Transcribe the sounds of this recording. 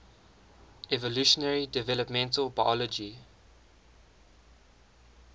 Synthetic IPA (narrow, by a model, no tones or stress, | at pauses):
ɛvɔluʃənɛɹidɛvɛləpmɛ̃ntəlbaɪjɔlɔd͡ʒi